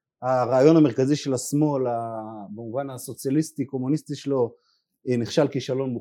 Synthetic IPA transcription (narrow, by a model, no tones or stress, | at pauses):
haʁaːjo̞nameʁkaziʃe̞lasmo̞labemuvanaso̞t͡sjalistiko̞munistiʃelo̞ | niχʃalkiʃalo̞nbu